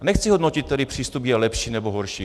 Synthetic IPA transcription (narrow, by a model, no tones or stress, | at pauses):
nɛxt͡sɪɦodnocɪt̪tːɛdɪpr̥iːst̪upjɛlɛpʃiːnɛboɦoɾʃiː